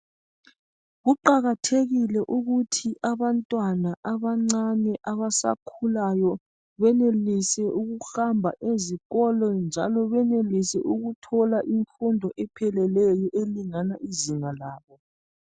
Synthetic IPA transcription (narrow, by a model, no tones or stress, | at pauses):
ɣuǃaɣatʰeɣilɛʔuɣutʰiʔaβantʼwanaʔaβaŋ͡ǀanɛʔaβasa̰kʰulajɔ | βɛnelisɛʔuɣuxambʱa̰ʔeziɣɔlɔnd͡ʒʱa̰lɔβɛnelisɛ̰ʔuɣutʰɔlaʔiɱfundʱɔʔɛpʰɛlɛlɛjɔʔeliŋanaʔiziŋalaːβɔ